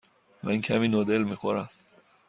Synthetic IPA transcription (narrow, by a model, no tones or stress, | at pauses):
mæncʰæmiːnoːd̪elmixoɾæm